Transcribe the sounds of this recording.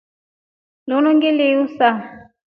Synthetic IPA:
lunuŋɡiliusa

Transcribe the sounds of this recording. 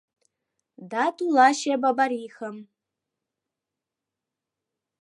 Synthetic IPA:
datʰʼulaʃababaɾiːxəm

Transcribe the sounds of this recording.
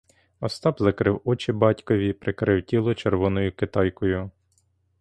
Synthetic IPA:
ɔst̪ɑbzɐkɾɪwɔt͡ʃɪbɑtʲkɔʋʲipɾɪkɾɪwtʲilˠɔt͡ʃerʋɔnɔjʊkɪt̪ɑjkɔjʊ

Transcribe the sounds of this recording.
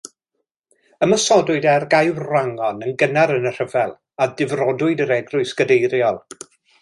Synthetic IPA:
əməsɔdʊɨdɛrɡajwraŋɔnənɡənaɾənər̥əvɛlˠ | adɪvrɔdʊɨdəɾɛɡrʊɨsɡ̥ədejɾjɔlˠ

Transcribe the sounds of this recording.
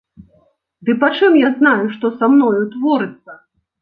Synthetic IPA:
d̪ɨpat͡ʂɨmjaznajuʂt̪ɔsamnɔjut̪vɔɾɨt̪sːɐ

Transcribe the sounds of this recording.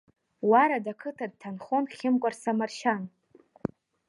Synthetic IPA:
waɾadakʰɨtʰad̚tʰanχonχʲɪmkʷʼarsamarʃan

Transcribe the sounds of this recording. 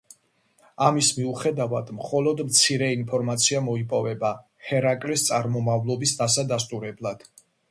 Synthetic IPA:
amismiuχɛd̪avad̪̥mχɔlˠɔd̪mt̪sʰiɾɛinpʰɔɾmat̪sʰiamɔipʼɔvɛba | hɛɾakʼlist̪sʼaɾmɔmavlˠɔbisd̪asad̪ast̪ʼuɾɛblˠad̪̥

